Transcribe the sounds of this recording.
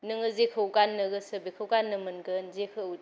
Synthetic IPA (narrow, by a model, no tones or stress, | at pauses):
nɯŋɯzekʰɯwɡanːɯɡɯsəbekʰɯwɡanːɯmɯnɡɯnzekʰɯw